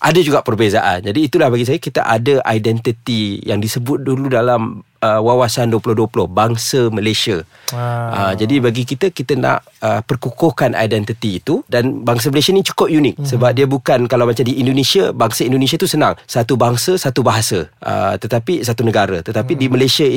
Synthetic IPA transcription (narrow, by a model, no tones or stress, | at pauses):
ʔadad͡ʒuɡaʔpərbezaʔa̰nd͡ʒadiːt̪ulahbaɡis̬ajakit̪a̰ʔadəʔa̰jdɛnt̪it̪ijaŋdisəbʊt̪̚duludalam | əwawasanduəpulʊhduəpulʊhbaŋsəməlesia | əd͡ʒadibaɡikit̪əkit̪əna̰ʔ | əpərkukɔhkanʔa̰jdɛnt̪it̪iːt̪udanbaŋs̬əməlesianit͡ʃu̥kʊp̚junɪk̚səbap̚diabukankalawmat͡ʃamdiindonesiabaŋsaindones̬at̪usənaŋsat̪ubaŋsəsat̪ubaɦasa̰ʔə̰t̪ət̪apisat̪unəɡaɾa̰t̪ət̪apidiməlasia